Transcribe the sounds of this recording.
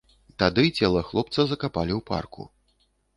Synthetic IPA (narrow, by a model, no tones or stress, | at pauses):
t̪ad̪ɨt͡sʲɛlˠɐxlˠɔp̚t̪sɐzɐkapalʲiwpa̰rkṵ